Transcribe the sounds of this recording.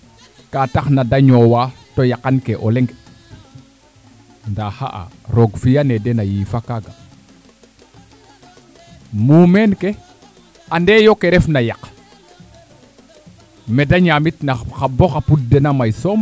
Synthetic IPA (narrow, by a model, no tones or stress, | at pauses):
kataxnadaɲowatojakankeʔoleŋɡ | ndaha̰ʔa̰ɾoɡfijanedenajiːfakaɡa | muːmenke | andejokeɾɛfnajak | medaɲamitnaxaboxapudenamajsom